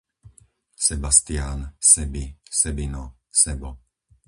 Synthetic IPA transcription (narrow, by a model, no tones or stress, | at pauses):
sɛbast̪ɪaːnsɛbisɛbinɔ | sɛbɔ